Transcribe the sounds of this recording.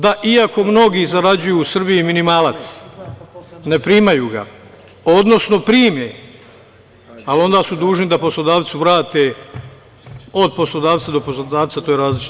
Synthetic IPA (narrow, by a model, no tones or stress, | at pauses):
d̪aʔiako̞mno̞ɡizaɾad͡ʑujuːsr̩bijiminimaːlat̪s | ne̞pɾiːmajuːɡa̰ | o̞d̪no̞sno̞pɾiːme | alo̞nd̪aːsud̪uːʒnid̪apo̞slˠo̞d̪aːʋt̪suʋɾaːt̪e | o̞d̪̚po̞slˠo̞d̪aːʋt̪sad̪o̞poslod̪aːʋt̪sat̪ojɾaːzlit͡ʃi̥t̪